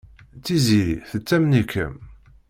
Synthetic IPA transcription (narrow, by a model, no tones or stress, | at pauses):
t͡sːiziɾiθət͡sːæmnikːə̰m